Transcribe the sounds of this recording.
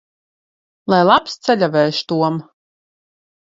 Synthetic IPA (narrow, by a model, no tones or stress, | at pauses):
lˠajlˠapst̪sɛlʲavɛːʃt̪uɔm